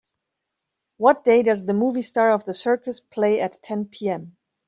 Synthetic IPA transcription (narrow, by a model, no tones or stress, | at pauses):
wʌt̚d̥eɪdʌzðəmuːvistɑɹʌvðəsɜ˞kəspʰl̥eɪʔɨtʰɛ̃npʰiɛ̃m